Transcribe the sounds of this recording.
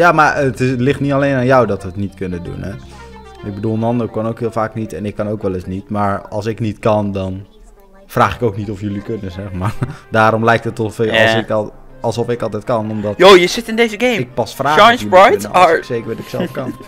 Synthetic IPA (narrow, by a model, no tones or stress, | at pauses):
jaːmaɹətɪlɪχtnitaleːnaːnjɔwdɔtʋətnitkønədṵnɛ | ɪk̚bədulˠənɑndəkɔnowkɦɪːlˠfaːknitɛnɪkːɑnowkʋɛlˠɪsnitmaɹɑ̰lˠsɪknitkɑndɔn | fraːχɪkowknitɔfjølikønəzɛχmaːɹdaːɾɔmlɛjk̚tətɔfɔlˠsɪkɑlˠsɔfɪkɑlˠtɛjt̚kɑnɔmdɔtoːjəsɪtɪndejzəɡejɪk̚pɑsfraːajnsɹajn̰sejkəɹʋɛdɔɪksɛlfkɑnn